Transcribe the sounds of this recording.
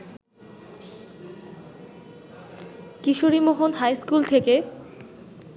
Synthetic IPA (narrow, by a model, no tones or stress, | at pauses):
kiʃoɾimoɦonɦajskult̪ʰeke